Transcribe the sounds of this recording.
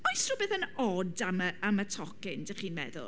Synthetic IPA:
majstrʊbɨðənɔdaməamətʰɔkɪndəχiːnmɛ̰ðʊ̰lˠ

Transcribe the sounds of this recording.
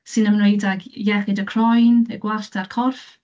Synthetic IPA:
sɨnəmnejdaɡjɛχɪdəkʰr̥ɔjnəɡ̥wartʰarkʰɔrf

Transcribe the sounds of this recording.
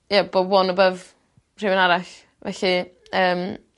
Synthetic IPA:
jabowɔnɔbəv | r̥ɪwənaɾaɬ | vɛɬi | əːm

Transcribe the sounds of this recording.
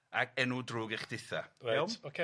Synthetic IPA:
akɛnudruːɡɛχd̥ɪθa̰ɛwmokʰe

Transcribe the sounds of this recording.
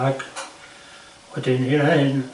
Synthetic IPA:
ɑik | ot̪ʲinilæin

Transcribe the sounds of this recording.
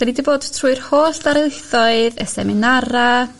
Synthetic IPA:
danidiboːdtʰruːɨrhoːɬdaɾlˠɪθɔɨðɛsɛ̰mɪnaɾa

